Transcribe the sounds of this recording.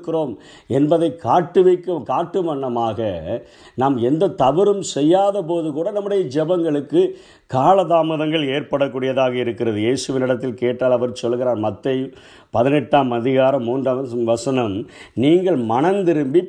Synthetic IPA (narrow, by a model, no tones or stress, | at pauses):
kːɪɾoːm | ɛnbɐðɐɪkʰːaːʈːɯʋɐɪkːɯmkaːʈːɯmɐɳːɐmaːɣɐ | naːmɛnd̪ɐt̪ɐʋɪɾɯmsɛjːaːðɐpoːðɯkuːɽɐnɐmːɯɽɐjɐd͡ʒɛbɐŋɡɐɭɯkːɯ | kaːlɐðaːmɐðɐŋɡɐɭeːɾpɐɽɐkːuːɽɪjɐðaːɣɐɪɾɯkːɪɾɐðɯjeːsɯʋɪnɪɽɐt̪ːɪlkeːʈːaːlɐʋɐɾsɔlːɯɣɪɾaːɾmɐt̪ːɐɪ | pɐðɪnɛʈːaːmɐðɪɣaːɾɐmːuːndrɐʋɐsɐnɐmniːŋɡɐɭmɐɳɐnd̪ɪɾɯmbi